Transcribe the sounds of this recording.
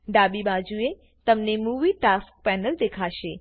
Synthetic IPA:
ɖaːbibad͡ʒue | t̪əmnemuʋiʈask̚pɛnəld̪ekʰaʃe

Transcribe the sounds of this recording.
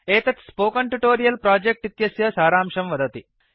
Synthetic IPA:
eːt̪ɐt̪spoːkɐɳʈuʈoːɾijɐlpɾaːd͡ʒek̚ʈit̪jɐsjɐsaːɾaːmʂɐmʋɐd̪ɐt̪i

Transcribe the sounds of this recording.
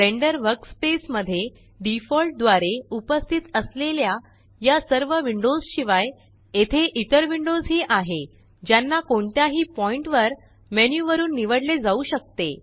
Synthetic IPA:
teɳɖəɾʋəɾkspesməd̪ʱːje | ɖifɔlʈ̚d̪ʋaɾeupəst̪ʰit̪əslelja | jasəɾʋəʋiɳɖod͡zɕiʋaj | et̪ʰeʔit̪əɾʋiɳɖod͡zɦiːʔaɦe | d͡ʑjanːakoɳt̪jaɦiːpɔiɳʈʋəɾ | menjuʋəɾuːnːiʋəɽled͡zauɕək̚t̪e

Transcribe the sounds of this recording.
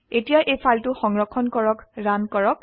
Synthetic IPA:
etijaʔejpʰaltʊxɔŋɹɔkʰːɔnkɔɹɔkɹankɔɹɔk

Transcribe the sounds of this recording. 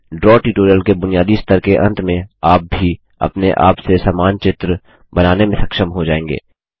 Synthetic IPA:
ɖɾɔːʈiʈoːɾijəlkebʊnijaːd̪iɪst̪əɾkeʔɐ̰̃nt̪mẽaːp̚bʱi | ɐ̰pneʔa̰ːpsesaːmaːnt͡ʃɪt̪ɾə | bɐnaːnemẽsɐkʃəmɦod͡ʒaːẽːŋɡḛː

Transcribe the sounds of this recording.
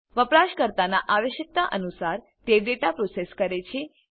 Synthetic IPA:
ʋəpɾaʃkəɾt̪anaʔaʋəʃək̚t̪aʔənusaɾ | t̪eʋɖeʈapɾoseskəɾet͡ʃʰe

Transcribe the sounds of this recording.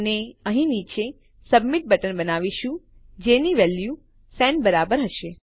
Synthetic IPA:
neəɦĩnit͡ʃe | səbmiʈ̚bəʈənbənaʋiʃũ | d͡ʒeniʋɛlju | sɛnbəɾabəɾɦəʃe

